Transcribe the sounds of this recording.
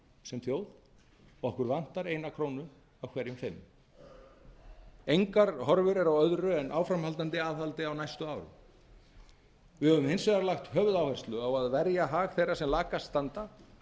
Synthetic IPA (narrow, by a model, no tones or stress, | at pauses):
sɛmθjoːwð | ɔɔhkʏɾvan̥t̪aɾejnakʰɾoːwnʏ | awkʰvɛːɾjʏmfɪm | ejŋkaɾhɔɾvʏɾɛɾawœðɾʏɛnʔaːwfɾamhalt̪ant̪ɪaːðhalt̪ɪawnajst̪ʏaːwɾʏ̰m | vɪhɛvʏmhejnsɛɣaɾlaxt̪hœːvʏðawhɛr̥st̪lʏawaðvɛɾjaɦaːɣθejrasɛmlaːkast̪ant̪a